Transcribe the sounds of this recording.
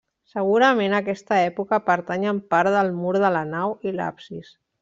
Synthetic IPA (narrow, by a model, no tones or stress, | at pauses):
səɣ̞uɾəmenəkɛst̪əɛpukəpəɾt̪aɲəmpaɾðəlˠmuɾðələnawila̰psis